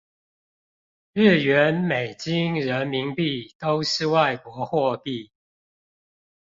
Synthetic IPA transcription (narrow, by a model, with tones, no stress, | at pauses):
ɻ̩˥˩ɥɛ˨˦nme˨˩ɪt͡ɕi˦˥ŋɻə˨˦nmi˧˥ŋpi˥˨t̪o˦ʊʂɻ̩˥˧wa˥˨˩ɪkwɔ˧˦xwɔ˥˧pi˥˨